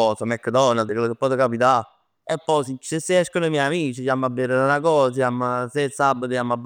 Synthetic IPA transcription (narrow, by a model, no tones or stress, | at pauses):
ɔːsamɛkːd̪ɔnald̪kwelːokepːɔt̪ekapit̪a | epːɔjsisesːeɛʃkonoimjɛjamiːt͡ʃisjamːabːeɾeunakɔːsajamːasesːabːət̪ojamːab